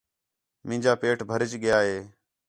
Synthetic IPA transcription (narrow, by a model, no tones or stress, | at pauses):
mɪ̃ːd͡ʒaːpeːʈʰbʱəɾɪt͡ʃɠɪjaːɦeː